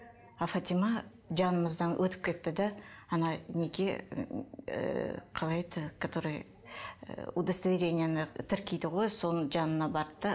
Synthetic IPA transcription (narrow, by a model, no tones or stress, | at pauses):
afat̪ʲimɑ | ʒɑnəməzd̪ɑnwʔɵt̪ɪp̚kʲʰe̞t̪ːɪd̪æːnɑne̞ɡʲe | qʰɑlˠɑjt̪əkʰat̪oɾəj | ud̪əst̪vʲiɾʲe̞nʲɪjanət̪ʰɪɾkʲejd̪ɪʁo̞jso̞nəʒɑnənɑbɑɾt̪ːɑ